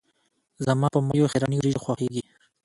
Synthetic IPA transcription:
zamɑpəmajoxeɾɑniɾiʒxwɑxeɡi

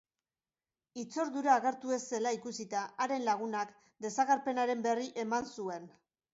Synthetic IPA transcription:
it͡so̞ɾðuɾaːɣe̞ɾt̪ue̞se̞laikusit̪aaɾe̞nlaɣ̞unak | d̪e̞saɣaɾpe̞naɾe̞mbe̞riʔe̞mansue̞n

